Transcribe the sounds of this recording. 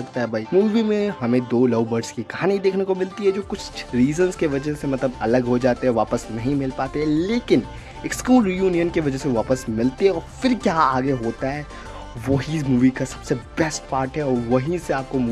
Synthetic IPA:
ɐk̚t̪aɦɛbʱaiːmuːʋimẽɦɐmẽd̪oːlɐːʊbəɾɖskikɐɦaːniid̪eːkʰnekomɪlt̪iɦɛd͡ʒoːkʊt͡ʃʰɾiːzənzkeʋɐd͡ʒɛɦsemɐt̪ləbɐləɡɦod͡ʒaːt̪eɦɛʋaːpəsnɐɦĩmɪlpaːt̪eɦɛ̃leːkɪn | eːkskuːlɾjuːnijənkeʋɐd͡ʒɛseʋaːpəsmɪlt̪eɦɛ̃ɔːɾfɪɾkjaːaːɡeɦoːt̪aɦɛː | ʋoɦimuːʋikasɐ̥bsebɛsʈ̚paːɾʈɦɛɔːɾʋɐɦiseaːp̚komuː

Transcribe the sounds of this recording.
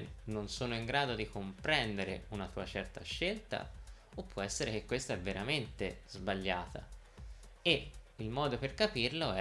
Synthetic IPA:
nːonsoːnoiŋɡɾaːd̪od̪ikompɾɛnd̪eɾḛunat̪uːat͡ʃɛrt̪aʃːelt̪a̰ | opːwɔɛsːeɾek̟ekːwest̪aɛvːeɾament̪ezbaʎːaːt̪a̰ | eilmɔːd̪operkapirloɛ

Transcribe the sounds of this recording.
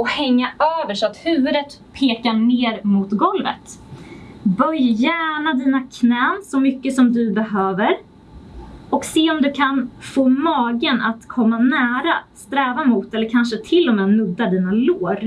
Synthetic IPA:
ɔhɛŋːaøːvəʂɔat̪hʉ̟ːvɵd̪ət̪pʰeːkaɳeːɾmʊt̪ɡɔlvə̰t̪ | bœjjæːɳad̪iːnakʰnɛːnsɔmʏkːəsɔmd̪ɵbɛɦøːvəɾ | ɔkseːɔmd̪ɵkʰanfoːmɑːɡənʔat̪kʰɔmːanæːɾast̪ɾɛːvamʊt̪ɛlːəɾkʰanʂət̪ʰɪlːɔmɛːmɵd̪ːad̪iːnaloːɾ

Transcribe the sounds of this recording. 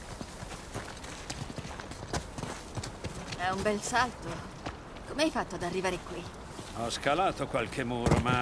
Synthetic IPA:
ɛumbɛlsalt̪o | komeajfat̪ːoad̪arːivaːɾekwi | ɔskalaːt̪okwalkʰemːuːɾoma

